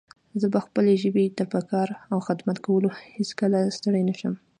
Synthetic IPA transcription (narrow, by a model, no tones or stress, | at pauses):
zəbaxpəleʒəbet̪apakɑɾawxɪd̪mat̪kawəloheskəlast̪əɽajnaʃəm